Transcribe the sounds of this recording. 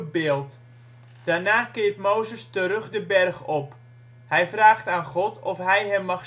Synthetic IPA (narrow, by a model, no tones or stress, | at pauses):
bɪːlˠt | d̥aːrnaːkɪːətmowzəstəɾɵχdəbɛrχɔp | hɛjfraːxtaːnχɔtʰɔfɦɛjɦɛmːɑχ